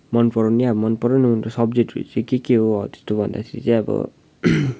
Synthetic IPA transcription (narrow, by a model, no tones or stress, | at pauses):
mʌnpʌɾaniabmʌnpʌɾanimntosʌbd͡zek̚ʈɾṵt͡sʌ̃kekeɦoʌt̪e̥st̪obʱʌnd̪a̰kʰeɾḭt͡saĩʌbʌ̰